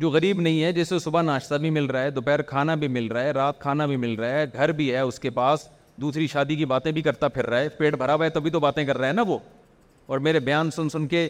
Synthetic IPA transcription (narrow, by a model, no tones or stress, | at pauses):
d͡ʒoːɣɐɾiːbnɐɦĩɦɛd͡ʒɪsːesʊbanaːʃt̪abʱimɪlɾaɛd̪ʊpɛːɾkʰaːnabʱimɪlɾaɦɛɾaːt̪̚kʰaːnabʱimɪlɾaaɦɛɡʱɐɾbʱiɦɛʊskepaːs | d̪uːsɾiʃaːd̪ik̬ibaːt̪ẽbʱikɐɾt̪apʰɪɾːaɛːpeːʈbʱɐɾaʋet̪obʱit̪obaːt̪ẽkɐɾːaɦɛːnaʋoː | ɔːɾmeːɾebɐjaːnsʊnsʊnke